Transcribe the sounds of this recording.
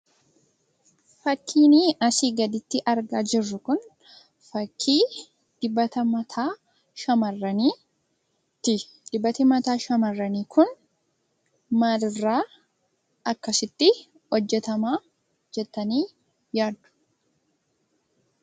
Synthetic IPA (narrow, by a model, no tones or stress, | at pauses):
fɐkʰːiːniɐsiːɡɐd̪ɪt̪ːɪʔɐɾɡaːd͡ʒɪrːʊkʊn | fɐkʰːiː | d̪̥ɪbːɐt̪ɐmɐt̪ʰaː | ʃɐmɐrːɐniː | t̪ɪ | d̪̥ɪbːɐt̪ɪmɐt̪aːʃɐmɐrːɐniːkʰʊn | mɐdrːaː | ɐkːɐsɪt̪ːɪ | hɔd͡ʒːɛt̪ɐmaː | d͡ʒɛt̪ːɐniː | jaːd̪ʊ̥